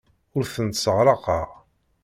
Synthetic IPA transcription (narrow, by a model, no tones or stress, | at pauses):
ʊɾθənt̪səʁɾˤɑqɑʁ